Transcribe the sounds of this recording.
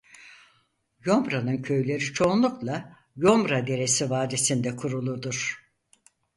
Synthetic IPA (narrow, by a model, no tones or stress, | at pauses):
jo̞mbɾanɯncʰø̞jlʲe̞ɾit͡ʃʰo̞nlˠuklˠa | jo̞mbɾad̪e̞ɾe̞sivaːd̪e̞sind̪ɛkʰuɾulˠud̪uɾ̥